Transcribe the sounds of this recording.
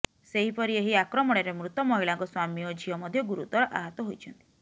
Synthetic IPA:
seɦipɔɾieɦiakɾɔmɔɽ̃eɾemɾut̪ɔmɔɦiɭaŋkɔswamiɔd͡ʒʱiɔmɔd̪ʱjɔɡuɾut̪ɔɾɔʔa̰ɦɔt̪ɔɦojt͡ʃʰɔnt̪i̥

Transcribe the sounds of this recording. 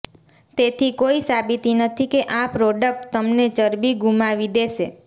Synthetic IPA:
t̪et̪ʰikoisabit̪inət̪ʰikeʔapɾɔɖək̚ʈt̪əmnet͡ʃəɾbiɡumaʋid̪eʃe

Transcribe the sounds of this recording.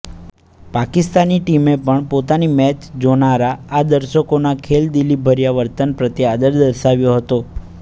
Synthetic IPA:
pakist̪aniʈimepəɳpot̪animɛt͡ʃd͡ʒonaɾaːd̪əɾʃəkonakʰeld̪ilibʱəɾjaʋəɾt̪ənpɾət̪iad̪əɾd̪əɾʃaʋjoɦət̪o

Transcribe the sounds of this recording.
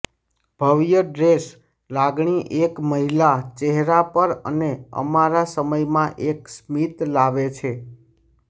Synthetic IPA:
b̥ʱəʋjəɖɾes | laɡɳiʔekməɦilat͡ʃeɦɾapəɾə̰neə̰maɾasəməjmãʔeksmit̪laʋet͡ʃʰe

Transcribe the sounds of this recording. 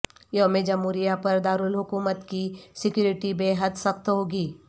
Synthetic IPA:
joɦmẽd͡ʒɐmɦuːɾijapɐɾd̪aːɾulɦʊkuːmət̪kisɪkjuːɾɪʈibeːɦəd̪sɐxt̪ɦoːɡiː

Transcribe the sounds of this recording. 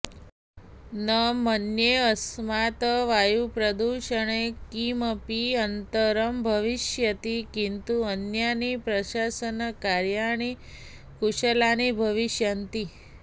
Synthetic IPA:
nəmənjeəsmat̪ʋajupɾəd̪uʃəɳekiməpiənt̪əɾəmbʱəʋiʃjət̪ikint̪uənjanipɾəʃasənkaɾjaɳ̃i | kuʃəlanibʱəʋiʃjənt̪i

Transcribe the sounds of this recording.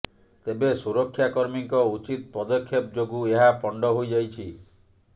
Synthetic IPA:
t̪ebesuɾɔkʰːjakɔɾmiŋkɔut͡ʃit̪̚pɾɔd̪ɔkʰːjep̚d͡ʒoɡueɦapɔɳɖɔɦojd͡ʒajt͡ʃʰi

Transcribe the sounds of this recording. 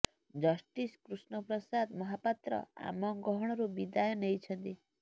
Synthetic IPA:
d͡ʒɔsʈiskɾusnɔpɾɔsad̪mɔɦapat̪ɾɔ̰a̰mɔɡɔɦɔɽ̃ɔɾubid̪ajɔnejt͡ʃʰɔnt̪i

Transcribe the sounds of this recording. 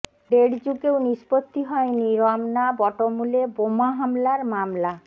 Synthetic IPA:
ɖeɖd͡ʑukewnispot̪ːiɦɔeniɾɔmnabɔʈomulebomaɦamlaɾmamla

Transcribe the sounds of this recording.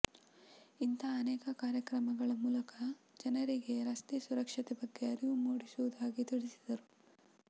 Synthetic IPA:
int̪ʰaːnɛːkɐkaːɾjɐkɾɐmɐɡɐɭɐmuːlɐkʰɐ | d͡ʒɐnɐɾiɡe̞ɾɐst̪esuɾɐkʂɐt̪ɛbɐɡːe̞ɐɾiʋumoːɽisuʋud̪aːɡit̪iɽisid̪ɐɾu

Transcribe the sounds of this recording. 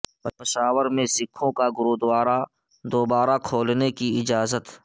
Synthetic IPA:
pɪʃaːwəɾmẽsɪkʰõkaɡʊɾoːd̪waːɾa | d̪oːbaːɾakʰoːlnekiɪd͡ʒaːzət̪

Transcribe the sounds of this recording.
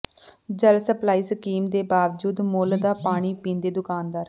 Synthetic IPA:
d͡ʒəlsəplaːiːskiːmd̪eːbaːʋd͡ʒuːd̪moːld̪aːpaːɽ̃iːpĩːnd̪eːd̪ʊkaːnd̪aːɾ

